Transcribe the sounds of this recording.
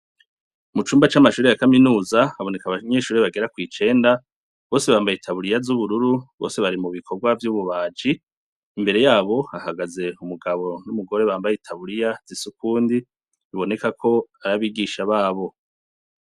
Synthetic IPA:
mut͡ʃuːmbat͡ʃamaʃuːɾejakaminuːzaaβo̞ne̞kaβaɲe̞ʃuːɾeβaɡe̞ɾakwiːt͡ʃe̞ːnda | βo̞se̞βaːmbajitʰaβuɾijazuβuɾuɾuβo̰ːse̞βaɾimuβikʰo̞ɡwavjuːβuβaːd͡ʒiː | mbe̞ɾe̞jaːβo̞ahaɡaze̞umuɡaβo̞numuɡo̞ɾe̞βaːmbajitʰaβuɾijaz̥isukuːndi | iβo̞ne̞kakʰo̞aɾaβiːɡiːʃaβaːβo̞

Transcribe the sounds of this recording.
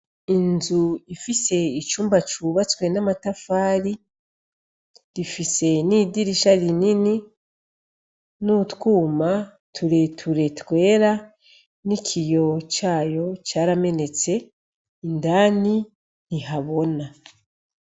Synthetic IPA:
inzuifise̞it͡ʃuːmbat͡ʃuːβatwe̞namatafaːɾi | ɾifise̞nidiɾiʃaɾinini | nutkuːma | tʰuɾe̞tʰuɾe̞tkwe̞ːɾa | nikʰijo̞t͡ʃaːjo̞t͡ʃaːɾame̞ne̞t͡se̞ | indaːni | niɦaβo̞na

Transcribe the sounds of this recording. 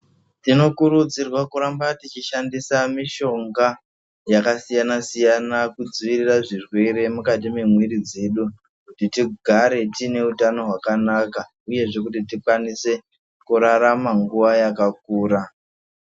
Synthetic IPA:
tino̞kuɾud͡zirwakuɾambatit͡ʃiʃandisamiʃo̞ŋɡa | jakasijanasijanakud͡ziʋiriraʐirwe̞ɾe̞mukat̬ime̞mwiɾid͡ze̞ɗu | kutitiɡʱaɾe̞tine̞utano̞ɦwakanaka | uje̞ʐe̞k̬utitikwanise̞ | kuɾaɾamaŋɡuʋajakak̚uːɾa

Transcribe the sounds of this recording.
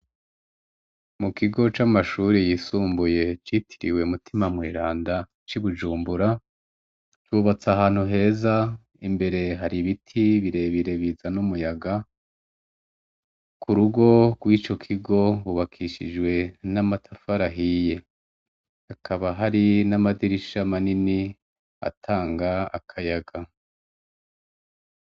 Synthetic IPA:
mukiɡo̞t͡ʃamaʃuːɾijiːsuːmbuje̞t͡ʃitʰi̥ɾḭwe̞umutʰimamwiːɾaːnda | t͡ʃiβud͡ʒuːmbuɾa | t͡ʃuβat͡saɦaːn̥huɦe̞ːza | imbe̞ɾe̞ɦaɾiβitʰiβiɾe̞βiɾe̞βizanumujaɡa | kʰuɾuɡo̞ɡwiːt͡ʃo̞kʰiɡo̞βuβakʰiʃḭd͡ʒɡwe̞namatʰafaɾaɦije̞ | akʰaβaɦaɾinamadiɾiʃamanini | a̰tʰaːŋɡaa̰kʰajaɡa

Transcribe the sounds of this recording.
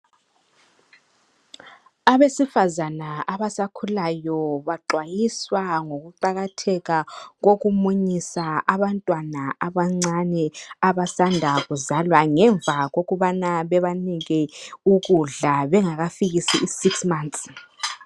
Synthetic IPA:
aβesifazanaaβasakʰulajɔβaǃʱwajiswaŋoɣuǃaɣatʰɛɣaɣoɣumuɲisaʔaβantʼwanaaβaŋ͡ǀanɛaβasandʱaɣuzalwaŋɛɱbvaɣoɣuβanaβɛβaniɣɛuɣuɮaβɛŋaɣafiɣisiʔisiksmant̪s

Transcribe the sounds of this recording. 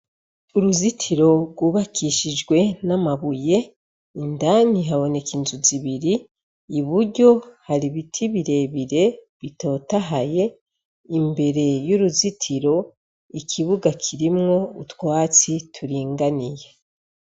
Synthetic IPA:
uɾuzitʰiɾo̞ɾɡwuβakʰiʃid͡ʒɡwe̞namaβuje̞ | indaniɦaβo̞ne̞kinzuziβiɾiː | βuɾɟo̞haɾiβitʰiβiɾe̞βiɾe̞ | βito̞ːtaɦaje̞ | imbe̞ɾe̞juɾuzitʰiɾo̞ | ikʰiβuɡakʰiɾimŋo̞utwaːt͡sitʰuɾiːŋɡanije̞

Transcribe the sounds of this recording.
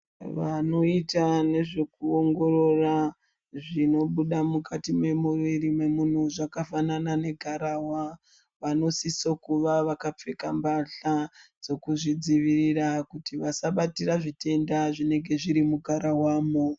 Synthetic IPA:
ʋano̞itane̞ʐe̞kuoŋɡo̞ro̞ra | ʐino̞ɓuɗamukʰatime̞muʋirime̞mun̤uʐakafananane̞ɡʱaɾawa | ʋano̞sisokuʋaʋakap͡fe̞kambaɬad͡zo̞kuʐid͡ziʋirirakutiʋasaɓatiraʐite̞ndaʐine̞ŋɡe̞ʐiɾimuɡʱaɾawaːmo

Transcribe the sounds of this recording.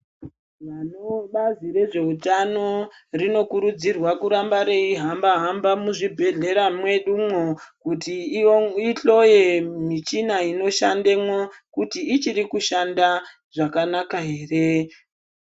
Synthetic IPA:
ʋanoɓazire̞ʐe̞utano̞rino̞kuɾud͡zirwakuɾambaɾeiɦambaɦambamuʐibʱe̞ɮe̞ɾamwe̞ɗumwokutiiɬo̞jemit͡ʃinaino̞ʃande̞mwo̞kutiːt͡ʃiɾikuʃanda | ʐ̥akanakaɦe̞ːre̞

